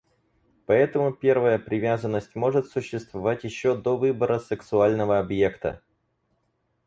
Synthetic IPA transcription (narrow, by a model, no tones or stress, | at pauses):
pɐɛt̪əmʊpʲe̞rvəjəpɾʲɪvʲazənːəsʲtʲmo̞ʐɨt̪sʊɕːɪst̪vɐvatʲjɪɕːod̪ovɨbəɾəsɨksʊalʲnəvəɐbje̞kt̪ə̰